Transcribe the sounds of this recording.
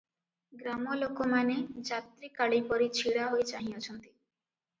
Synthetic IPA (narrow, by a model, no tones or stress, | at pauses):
ɡɾamɔlokomaned͡ʒat̪ɾikaɭipɔɾit͡ʃʰiɽaɦojt͡ʃaɦĩɔt͡ʃʰɔnt̪i̥